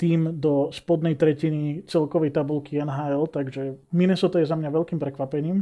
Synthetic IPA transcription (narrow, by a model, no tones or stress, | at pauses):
t̪iːmd̪ɔspɔd̪nɛjt̪ɾɛcinit͡sɛlkɔʋɛjt̪abulkiɛnɦaːɛlt̪aɡʒɛminɛsɔt̪ajɛzamɲaʋɛlkiːmpɾɛkʋapɛɲiːm